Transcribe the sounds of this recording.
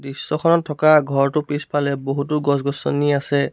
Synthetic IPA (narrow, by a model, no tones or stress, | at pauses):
disːɔkʰɔnɔtʰːɔkaɡʱɔɹtʊpispalɛboɦut̬ʊɡɔs̬ɡɔsɔ̰niasɛ